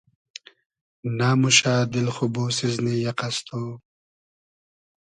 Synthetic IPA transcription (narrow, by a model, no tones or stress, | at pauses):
naːmuʃaːd̪ɪlxuboːsiznijaqast̪ʰoː